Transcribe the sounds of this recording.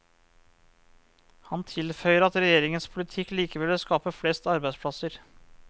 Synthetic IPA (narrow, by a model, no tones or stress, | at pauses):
hɑnt̪ʰɪlfœʏəɾɑt̪ɾɛjeːɾɪŋənspʰʊlɪt̪ʰɪkːliːkəʋɛlʋɛskɑːpəflɛst̪ɑɾbæɪspʰɽɑsəɾ